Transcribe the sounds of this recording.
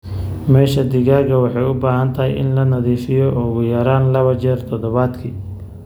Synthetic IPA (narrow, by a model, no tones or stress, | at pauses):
mɛːʃɐd̪ɪɣaːɣɐwɑħɑjʊbaːɦɐnt̪ʰɐɦɛjɪ̰nlɐnɐðiːfɪjɔʔʊɣʊjɐɾaːnlɐβɐt͡ʃɛrt̪ʰɔd̪ɔβaːd̪kʰiː